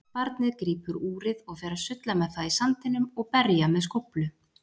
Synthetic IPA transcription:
paɾt̪nɪðkɾiːpʏɾuːɾɪðɔɣfɛɾasʏt̪lamɛðθaðisant̪ɪnːʏmɔɣpɛɾjamɛðskowplʏ

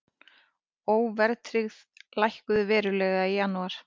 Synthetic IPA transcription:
oːwvɛɾt̪ʰɾɪɣðlajhkʏðʏvɛːɾʏlɛɣaijanːuaɾ̥

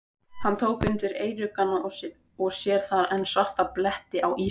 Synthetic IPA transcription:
hant̪ʰoːwkʏnt̪ɪɾeːjɾʏkanːaɔsɪð | ɔɣsjɛɾ̥θaðɛnsaht̪aplɛht̪ɪʔawiː

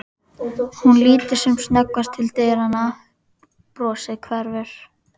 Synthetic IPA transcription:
hunliːt̪ɪɾ̥sɛmsnɛkvast̪ʰːɪlt̪eːjɾana | pɾɔːsɪðkʰvɛɾvɛɾ̥

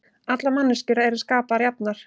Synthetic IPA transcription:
at̪lamanːʏscʏɾaɛɾʏ̥ɾ̥skaːpaaɾjapnaɾ̥

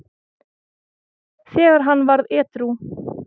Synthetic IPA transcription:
sɛːɣaɾ̥ɦanːvaɾðɛːt̪ɾu

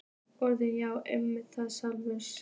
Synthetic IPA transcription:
ɔɾðɪnjaːwɛmːɪt̪θaðsalvʏns

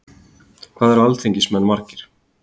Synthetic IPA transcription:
kʰvaːðɛɾvalt̪ʰiɲcɪsmɛnːmaɾ̥cɪɾ̥

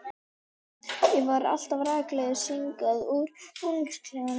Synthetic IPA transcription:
jɛvaɾa̰l̥t̪avɾaːklɛðɪsiŋkaðuɾunskʰɾiŋɪn

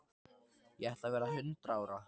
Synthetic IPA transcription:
jɛɛht̪lavɛːɾaɦʏnt̪ɾaaːwɾa

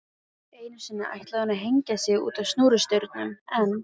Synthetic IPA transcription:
eːjnʏ̥sɪnːaʔa̰jht̪laðanːaɦejɲcasjɛɣṵːt̪avstnuːɾʏst̪œɥɾt̪nʏmɛn

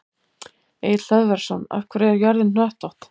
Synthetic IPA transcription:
eːjɪt̪l̥œðvɛɾ̥sɔna̰fkvʏɾɛɾjœɾðɪnnœht̪ɔht̪

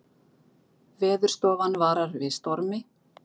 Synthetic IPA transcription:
vɛːðʏɾst̪ɔːvanvaːɾaɾvɪðst̪ɔɾmɪ

